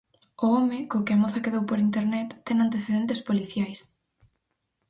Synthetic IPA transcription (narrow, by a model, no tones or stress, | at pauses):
ʊɔmɪkokɪɐmoθɐkeðowpoɾint̪eɾnɛt̪ːɛŋant̪eθeðent̪espoliθjajs